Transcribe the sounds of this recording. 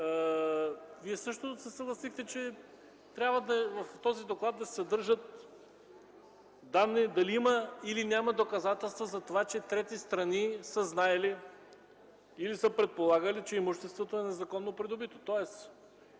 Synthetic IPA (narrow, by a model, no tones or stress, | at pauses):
ə | viɛsɤʃt̪osɛsəɡlˠɐsixt̪ɛt͡ʃɛ | t̪ɾʲabvəd̪ɐvɐft̪ɔzid̪oklˠad̪ːɐssɛd̪ɤɾʒət̪̚ | d̪amnid̪ɐliiməilinʲjamɐd̪okɐzat̪ɛlˠst̪vozɐt̪ovat͡ʃɛt̪ɾɛt̪ist̪ɾɐnisəznaɛli | ilisəpɾɛt̪̚polˠaɡəlit͡ʃɛimuʃt̪ɛst̪vot̪oɛnɛzɐkɔnːopɾid̪obit̪ot̪ɔɛs